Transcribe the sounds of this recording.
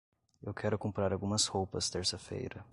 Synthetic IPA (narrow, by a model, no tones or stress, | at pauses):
ewkʰɛɾʊkõmpɾaɾawɡũmɐshowpɐst̪eɾsɐfḛjɾɐ